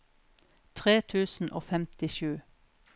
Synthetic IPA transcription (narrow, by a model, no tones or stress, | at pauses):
t̪ʰʁeːt̪ʰʉːsn̩ʔo̰ːfɛmt̪ɪʃʉː